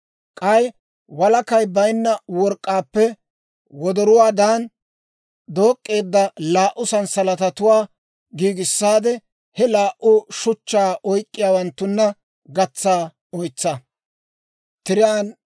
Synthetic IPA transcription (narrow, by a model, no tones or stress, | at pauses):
kʼɐj | wɐlɐkɐjbɐjnːɐwɔɾkʼːaːpːɛ | wɔd̪ɔɾʊwaːd̪aːn | d̪o̞ːkʼːe̞ːd̪ːɐlaːʔʊsɐnsɐlɐt̪ɐt̪ʊwaː | ɡiːɡɪsːaːd̪ɛ | hɛlaːʔʊʃʊt͡ʃːaːɔjkʼːɪjaːwɐnt̪ːʊnːɐ | ɡɐt͡sːaː | ɔjt͡sːɐ | t̪ɪɾɪjaːn